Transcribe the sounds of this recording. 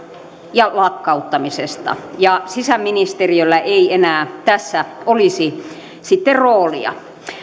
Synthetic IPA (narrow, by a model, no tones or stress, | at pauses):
jɑlɑkːɑut̪ːɑmisest̪ɑ̰jɑsisæmːinist̪eriølːæʔeienæːt̪æsːæolisi | sit̪ːerroːlḭɑ̰